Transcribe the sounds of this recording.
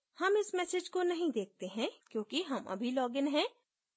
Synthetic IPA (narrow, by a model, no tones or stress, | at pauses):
hɐmɪsmɛːsed͡ʒkonɐɦĩd̪eːk̚t̪eɦɛ̃kjõːkiɦɐmɐ̰bʱilɔːɡɪnɦɛ̃ː